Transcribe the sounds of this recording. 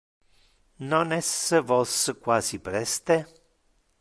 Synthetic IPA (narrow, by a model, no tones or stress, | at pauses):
nonɛsəvɔsəkwaːzipɾɛst̪e